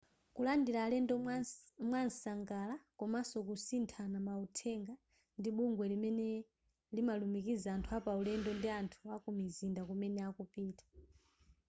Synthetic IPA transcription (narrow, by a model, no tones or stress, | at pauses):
kulandilaːlɛndɔmwansaŋɡalakɔmasɔkusintʰanamautʰɛŋɡa | ndiɓuŋɡwɛlimɛnɛ | limalumikizaːntʰuapaulɛndɔndiantʰuakumizindakumɛnɛakupiːtḁ